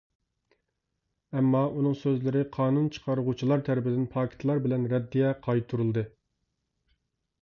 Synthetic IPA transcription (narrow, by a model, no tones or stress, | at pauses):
ɛmːɑʔunɨŋsøzlɪɾɪqʰɑːnunt͡ʃʰə̥qʰɑɾəʁut͡ʃʰilˠɑɾt̪ʰæɾɪpɪd̪ɪnpʰɑːkʲʰɪ̥t̪ʰlˠɑɾbɪlɛnɾɛd̪ːijɛqʰɑjt̪ʰuɾulˠd̪ɨ